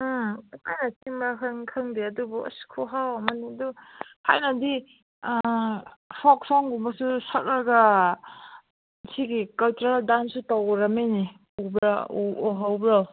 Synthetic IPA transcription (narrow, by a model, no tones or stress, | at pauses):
kajnɐtiŋbɾakʰɯŋkʰɯŋdeɐdubuɐ̰skʰuɦawɐmɐniduha̰jnɐdi | sɔk̚sɔŋɡumbɐsusɐt̚aɾɡɐ | sʰiɡikɐltɾaldansutawɾɐmeni | ubɾauɔɦawbɾaw